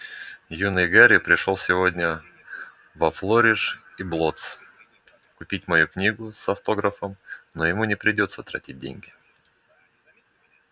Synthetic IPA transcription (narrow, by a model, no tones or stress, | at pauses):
junɨjɡaɾʲɪpɾʲɪʂolˠsʲɪvo̞dʲnʲə | vɐflˠoɾʲɪʂ | iblˠo̞t̪s | kʊpʲit̚ʲmɐjuknʲiɡʊsɐft̪o̞ɡɾəfəmnojɪmunʲɪpɾʲɪdʲo̞t̪sət̪ɾɐ̰tʲit̚ʲdʲḛnʲɡʲɪ